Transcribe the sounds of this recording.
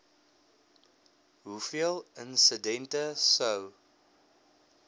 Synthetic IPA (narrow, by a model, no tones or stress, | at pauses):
ɦufiəlˠənsədɛntəsəw